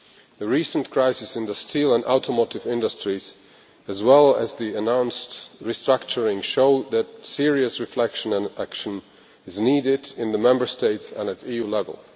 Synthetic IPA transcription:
ðɨɹisə̃nkʰɹ̥aɪsɨsɨ̃nðəstʰilˠə̃nʔa̰ʊtʰəmoʊɾɨvɪ̃ndəstɹ̥iz̥ | ɨzwɛlˠəzðiɨnãʊ̃nstɹistɹ̥ak̚t͡ʃə˞ɪ̃ŋʃoʊðɨtsɪɹiɨsɹɨflɛkʃə̃nə̃nækʃə̃n | ɨzniɾɪɾɪ̃nðəmɛ̃mbə˞steɪtsə̰̃nɨɾijulɛvə̰lˠ

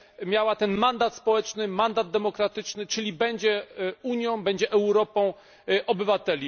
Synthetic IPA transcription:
mʲjawat̪ɛnmand̪at̪spɔwɛt͡ʂnɘmand̪ad̪̚d̪ɛmɔkɾat̪ɘt͡ʂnɘt͡ʂɘlʲibɛɲd͡ʑɛuɲjɔ̃w̃bɛɲd͡ʑɛʔɛwɾɔpɔ̃w̃ | ʔɔbɘvat̪ɛlʲi

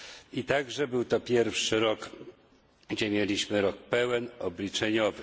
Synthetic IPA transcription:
it̪aɡʐɛbɘwt̪ɔpʲjɛɾfʂɘɾɔk | ɡd͡ʑɛmʲjelʲiɕmɘɾɔk̚pɛwɛnɔblʲit͡ʂɛɲɔvɘ

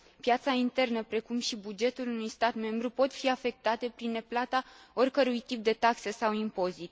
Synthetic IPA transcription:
pjat̪saint̪e̞rnəpɾe̞kumʃibud͡ʒe̞t̪ulunujst̪at̪me̞mbɾupo̞t̪fiafe̞k̚t̪at̪e̞pɾine̞plat̪ao̞rʲkəɾujt̪ip̚d̪e̞t̪aksəsawimpo̞zit̪

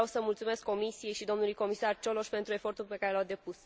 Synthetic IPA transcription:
wsəmult̪sume̞skːo̞misije̞jʃid̪o̞mnulujko̞misart͡ʃo̞lo̞ʃpe̞nt̪ɾue̞fo̞rt̪ulʲpe̞kaɾe̞lad̪e̞pus

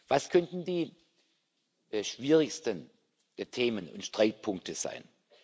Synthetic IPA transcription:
vaskʰœntn̩diː | ʃv̥iːʁɪçstən | tʰeːmənʊ̰ntʃtʁ̥aɪt̚pʰʊŋk̚tʰəz̥a̰ɪn

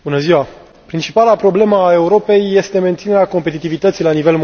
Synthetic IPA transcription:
bunəziwa | pɾint͡ʃipalapɾo̞ble̞məːe̞uɾo̞pe̞jːe̞st̪e̞me̞nt̪sine̞ɾeako̞mpe̞t̪it̪ivit̪ət̪sijlanive̞lm

